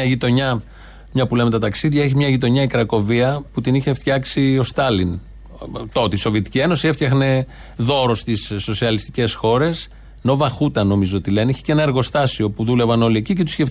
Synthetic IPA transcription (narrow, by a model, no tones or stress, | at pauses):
ɐʝit̪o̞ɲɐ | mɲɐpule̞met̪ɐt̪ɐksiðʝɐeçimɲɐʝit̪̬o̞ɲɐikɾɐko̞viɐput̪iniçe̞ft̪çɐksio̞st̪ɐlin | t̪o̞t̪eiso̞vie̞t̪i̥cie̞no̞sieft̪çɐxne̞ | ðo̞ɾo̞st̪isːo̞siɐlist̪ice̞sxo̞ɾe̞s | no̞vɐxut̪ɐno̞mizoo̞t̪ile̞niçi̥ce̞nɐe̞ɾɣo̞st̪ɐsio̞puðule̞vɐno̞liecice̞t̪usçef